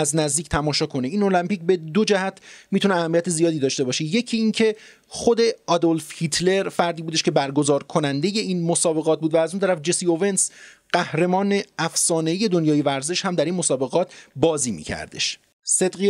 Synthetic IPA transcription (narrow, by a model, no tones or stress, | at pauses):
æznæzd̪iːcʰt̪ʰæmɒːʃɒːkʰo̞neiːno̞læmpiːcbe̞d̪od͡ʒæhæt̪ʰmiːt̪ʰuneæhæmːiæt̪ʰe̞zijɒːd̪iːd̪ɒːʃt̪e̞bɒːʃeje̞cʰiːncʰe̞ | χo̞d̪e̞ɒd̪olfhit̪ʰle̞ɾfæɾd̪iːbud̪e̞ʃkcʰe̞bæɾɡo̞zɒːɾkʰo̞nænd̪e̞je̞ʔiːnmo̞sɒːbe̞ɣɒːt̪̚buːd̪væːzunt̪æɾæfd͡ʒesio̞ve̞nsɢ̥æhɾe̞mɒːneæfsɒːne̞ije̞d̪o̞njɒːje̞væɾze̞ʃhæmd̪æɾinmo̞sɒːbe̞ɣɒːt̪ʰbɒːziːmḭːcʰæ̰ɾd̪e̞̰ʃ | se̞d̪ɢi